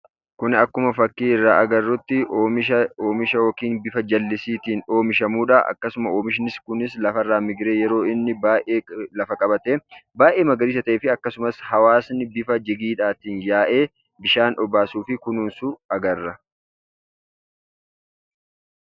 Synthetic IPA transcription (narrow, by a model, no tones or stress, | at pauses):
kʊnɪɐkːʊmɐfɐkːiːɪrːaːʔɐɡɐrːʊt̪ːɪoːmɪʃɐoːmɪʃɐwɔːkiːnbɪfɐd͡ʒɐlːɪsiːt̪iːno̞ːmɪʃɐmuːᶑaːʔɐ̰kːɐsʊmɐoːmɪʃ̬ɪnɪskʊnɪslɐfɐrːaːmɪɡɾe̞ːjɛɾo̞ːɪnːɪbaːʔeːlɐfɐkʼɐbɐt̪eːbaːʔe̞ːmɐɡɐɾiːs̬ɐt̪ɐʔeːfɪɐkːɐsʊmɐshɐwaːsnɪbɪfɐd͡ʒɪɡiːᶑaːt̪iːnjaːʔe̞ː | bɪʃaːnʔɔbaːsuːfɪkʊnuːnsʊɐɡɐrːɐ